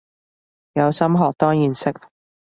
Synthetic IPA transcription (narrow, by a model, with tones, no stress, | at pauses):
jɐ˨˧wsɐ˥mɦɔː˨k̚t̪ɔː˥ŋjiː˨˧nsɪ˥k̚